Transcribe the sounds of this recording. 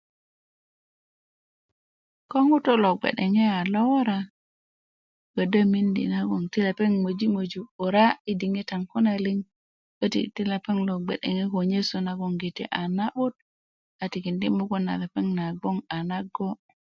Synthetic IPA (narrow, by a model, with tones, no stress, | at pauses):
ko˦ŋu˦to˦lo˨ɡ͡bḛ˨ɗe˨ŋe˦a˨lo˦wo˦ɾa | ɡ̥ə˨də˦mi˦ndḭ˨na˦ɡo˨ŋti˦la˨pe˦ŋmo˨d͡ʒi˦mo˨d͡ʒu˨bo˨ɾa˦i˦di˨ŋe˦ta˨ŋko˦na˨li˦ŋ | bə˦tḭ˨ti˦la˨pe˦ŋlo˨ɡ͡bḛ˨ɗḛ˨ŋe˦ko˨ɲe˦so˨na˦ɡo˨ŋɡi˨tḭ˦ʔa˨na˦ɓu˦t̚ | a˨ti˨ki˨ndi˦mo˦ɡo˦na̰˨ða˨pe˦ŋna˨ɡo˦ŋa˨na˦ɡo˦